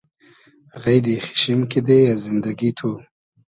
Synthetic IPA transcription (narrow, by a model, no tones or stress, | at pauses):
ɣajd̪ixi̥ʃimkid̪ejazɪnd̪aɡit̪ʰu